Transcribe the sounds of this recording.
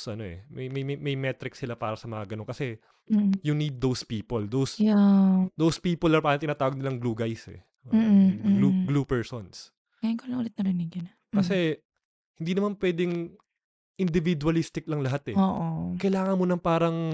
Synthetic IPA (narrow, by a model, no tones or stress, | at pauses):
sʔɐno̞ʔɛ̰mɐjmɐjmmɐjmɛt̪ɾɪksɪlapaːɾɐsɐmɐŋɐɡɐnonkɐsɛ | jʊnid̪̚ːowspiːpold̪owsjad̪owspiːpolɐpaːɾɐŋt̪ɪnaːt̪aːwoɡ̚nɪlɐŋɡluːɡajsɛ̰ | m̩ɡluɡlupɛɹsons | ajɪŋkolɐŋʔʊlɛt̪nɐɾɪnɪɡɐn | kɐsɛ | hɪnd̪iːnɐmanpwɛːd̪ɪŋ | ʔɪnd̪ɪvɪd̪uɐlist̪ɪk̚lɐŋlɐɦat̪ɛʔoːʔokɐjlaːŋɐnmonɐŋpaːɾɐŋ